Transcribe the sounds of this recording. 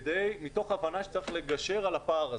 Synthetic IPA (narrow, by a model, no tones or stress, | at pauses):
d̪ejmito̞χavanaʃe̥t͡saʁeχleɡaʃe̞ʁalapaːʁa